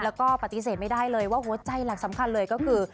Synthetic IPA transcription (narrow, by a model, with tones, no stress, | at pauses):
lɛː˦˥wkɔː˥˩pa˨˩t̪i˧s̬eː˨˩t̪̚ma˥˩jdaː˥˩jlɤː˧jwaː˥˩ɦu˨˩˦ɐt͡ɕa˧jla˨˩k̚sa˩˦mkʰa˧nlɤː˧jkɔː˥˩kʰɯː˧